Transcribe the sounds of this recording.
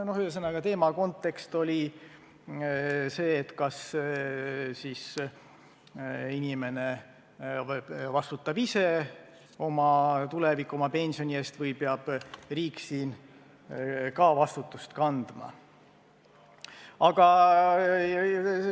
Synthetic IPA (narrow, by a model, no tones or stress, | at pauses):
nohyes̬ɤnːɑɡ̥ɑt̪e̞ːmɑko̞nt̪ːˑe̞kst̪o̞lʲi | se̞ːt̪kɑs | siːs | inʲime̞ne̞ | vɑst̪ut̪ˑːɑb̥ise̞ | o̞mɑt̪ulevikˑːomɑpe̞nʲsio̞nʲie̞ːst̪vɤjpeɑb̥riːkːsiːn | kɑːvɑst̪ut̪ˑːust̪kɑnd̪̥mɑ̰ | ɑɡ̥ɑ